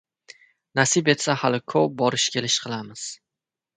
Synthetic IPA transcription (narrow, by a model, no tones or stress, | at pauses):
nasɪbe̞t̪sahalɪkʰɵp̚bɒɾɪʃkʲʰe̞lɪʃqʰɨlˠamɪz̥